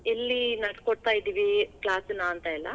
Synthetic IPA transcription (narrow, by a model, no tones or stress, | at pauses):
elːinɐʈkoɽt̪aːjid̪iʋiklaːsnaːnt̪aːjilːɐ̰